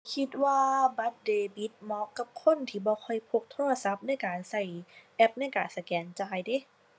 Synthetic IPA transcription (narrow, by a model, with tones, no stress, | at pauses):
kʰi˧˦t̪̚waː˧˩ba˧˥t̪̚deː˧bi˦˥t̪̚mɔː˧˥kːa˧˦p̚kʰo˧˥˨nt̪ʰiː˧˩bɔː˧˦kʰɔ˧˩jpʰo˧k̚t̪ʰoː˧˥˩la˧sa˧˦˥p̚na˥˩jkaː˨˩nsa˧˩jʔɛ˦˥p̚na˥˩jkaː˨˩nsa˧kɛː˨˩nt͡ɕaː˧jdi˧˦